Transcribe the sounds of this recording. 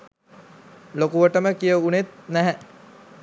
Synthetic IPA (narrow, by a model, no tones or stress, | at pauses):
lokuʋəʈəməkijəunet̪̚næɦɛ